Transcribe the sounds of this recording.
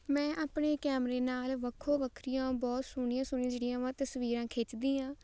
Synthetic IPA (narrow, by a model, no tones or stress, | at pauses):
mɛ̃ːʔaːpɳeːkɛːmɾeːnaːlʋəkʰːõːʋəkʰɾɪjãːbɔːt̪sʊɳ̃ɪːãːsʊnĩːd͡ʒeɽijãːʋãːt̪əsʋiːɾãːkʰeːt͡ʃd̪ĩːãː